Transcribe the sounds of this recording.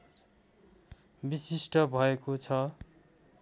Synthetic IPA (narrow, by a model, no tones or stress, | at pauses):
bisisʈʌbʱʌekot͡sʰʌ